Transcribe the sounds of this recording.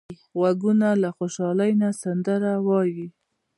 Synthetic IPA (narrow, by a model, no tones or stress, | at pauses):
ɣwaɡunalaxoʃɑlajnasand̪aɾawɑji